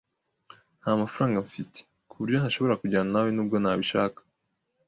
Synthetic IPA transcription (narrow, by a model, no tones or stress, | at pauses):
n̥hamafaɾaːŋɡaɱfite̥ | kuβuɾjon̥haʃo̞βo̞ɾakuɟaːnanawenuːb̚ɡo̞naːβiʃaːkḁ